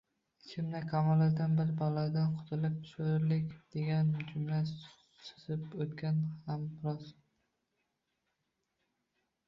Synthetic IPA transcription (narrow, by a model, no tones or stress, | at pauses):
ɪt͡ʃʰɪmnakʰamɒlaɾd̪anbɪɾbɒlˠaɾd̪anqʰʊ̥t̪ʰɪlɪp̚t̪ʰɪ̥ʃoɾɪɾlɪkʲd̪̥e̞ɡʲand͡ʒʊmla | sɨ̥zɪpot̪kʲanhambɪɾɒz